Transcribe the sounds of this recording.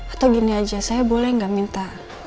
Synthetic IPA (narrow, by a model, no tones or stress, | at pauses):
at̪awɡiniad͡ʒasajabolɛhŋɡamint̪a